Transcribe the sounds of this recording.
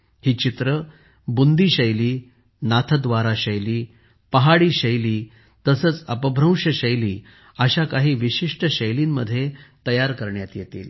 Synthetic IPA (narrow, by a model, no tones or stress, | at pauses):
hiːt͡ɕit̪ɾə | bund̪iːɕəjliː | nat̪ʰəd̪ʋaɾaɕəjliː | pəɦaɽiːɕəjliː | t̪əsəːt͡səpəbʱɾə̃w̃ʂəɕəjliː | əɕakaɦiːʋiɕiʂʈəɕəjliːnːəd̪ʱːjet̪əjaɾkəɾɳjat̪jet̪ḭːl